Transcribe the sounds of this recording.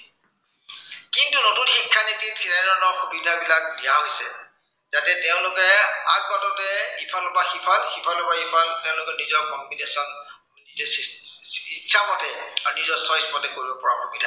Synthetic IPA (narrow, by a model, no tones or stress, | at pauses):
kintunotunxikʰːanititʰinanɔnɔkbinabilak̚dijaɦojsɛ | zatɛteʊ̃lʊkɛak̚bɔtɔtɛipʰalʊbaxipʰalxipʰalɔpaipʰalteʊ̃lʊkɛnizɔɹkɔmbinesɔn | iɛ | it͡ʃʰːamɔtɛnizɔɹsɔspɔtɛkoɹibɔpɔɹa̰bʱɔbidʱa